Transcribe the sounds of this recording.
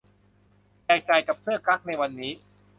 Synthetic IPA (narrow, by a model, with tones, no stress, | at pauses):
jɛː˧˩j̚t͡ɕa˧jka˨˩p̚sɯ˥˩əkɾa˦˥k̚na˧jwa˧nːiː˦˥